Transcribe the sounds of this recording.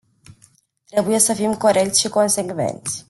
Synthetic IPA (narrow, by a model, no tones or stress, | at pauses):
t̪ɾebujesəfimkoɾek̚t̪sʃiko̞nseɡvḛnt̪sʲ